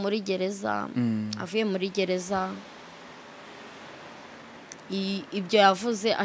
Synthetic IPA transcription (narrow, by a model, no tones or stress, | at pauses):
muɾiɟe̞ɾe̞za̰a̰vuje̞muɾiɟe̞ɾe̞za | ibjo̞javuze̞ʔa